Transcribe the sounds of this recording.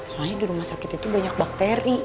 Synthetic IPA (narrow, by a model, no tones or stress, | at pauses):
soaɲadiɾumahsakɪt̪it̪ubaɲak̚bak̚t̪ɛɾi